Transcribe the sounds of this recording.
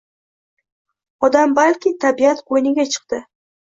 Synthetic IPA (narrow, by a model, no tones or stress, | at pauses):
ɒd̪ambalkʲɪt̪ʰabiat̪qʰojnɪɡʲat͡ʃʰɨ̥q̚t̪ɪ